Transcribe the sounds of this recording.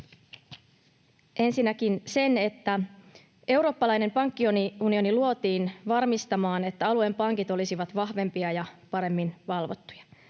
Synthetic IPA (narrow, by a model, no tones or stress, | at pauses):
ʔe̞nsinːækinse̞ne̞t̪ːæ | e̞wɾo̞ːpːɑlɑjne̞mpɑŋkːioniunio̞niluo̞t̪iːnʋɑrmist̪ɑmɑːne̞t̪ːæɑlue̞mpɑŋkit̪o̞lisiʋɑt̪ʋɑhʋe̞mpiɑjɑpɑɾe̞mːinʋɑlʋo̞̰t̪ːu̥jɑ̥